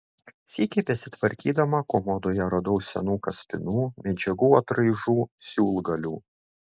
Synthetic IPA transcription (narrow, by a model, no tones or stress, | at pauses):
sʲiːkʲɛɪpʲɛsʲɪt̪ʋɐɾʲkʲiːd̪ɐmɐkomɔd̪oːjɛɾɐd̪ɐʊssʲɛ̰nuːkɐsʲpʲɪnuːmʲɛd͡ʒʲɛɡuːɐt̪ɾɐɪʒuːsʲuːlˠɡɐlʲuː